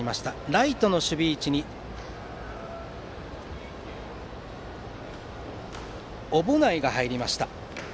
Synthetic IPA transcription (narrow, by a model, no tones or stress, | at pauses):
imaɕi̥t̪aɾait̪o̞no̞ɕɨbʲiːt͡ɕiɲ̟i | o̞bonaiɡahaiɾʲimaɕi̥t̪a